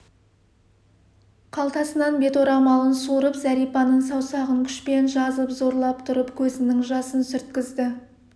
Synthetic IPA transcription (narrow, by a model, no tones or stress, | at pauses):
qʰɑlˠt̪ɑsənɑnbe̞t̪oɾɑmɑlˠənsuɾəpzæɾijpɑnəɴsɑwsɑʁəŋkʲʰʏ̥ʃpe̞nʒɑzəpzo̞ɾlˠɑpt̪ʰʊɾəpkʲʰɵzɪnɪŋʒɑsənsʏɾt̪kʲɪzd̪ɪ